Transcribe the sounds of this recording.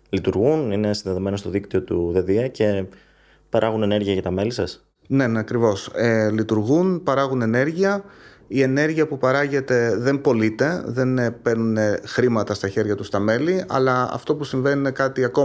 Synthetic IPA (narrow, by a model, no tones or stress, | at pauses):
lit̪uɾɣunine̞sinðe̞ðo̞me̞nost̪o̞ðikt̪io̞t̪uðe̞ðiɐce̞ | pɐɾʔɐɣune̞ne̞ɾʝiɐʝɐt̪ɐme̞lisɐs | ne̞nɐkɾivo̞selit̪uɾɣunpɐɾɐɣune̞ne̞ɾʝiɐ | ie̞ne̞ɾʝiɐpupɐɾɐʝe̞t̪e̞ðe̞mpo̞lit̪e̞ðe̞npe̞ɾnunexɾimɐt̪ɐst̪ɐçe̞ɾʝɐt̪ust̪ɐme̞liɐ̰lɐɐ̰ft̪o̞pusiɱve̞nine̞kɐt̪iɐko̞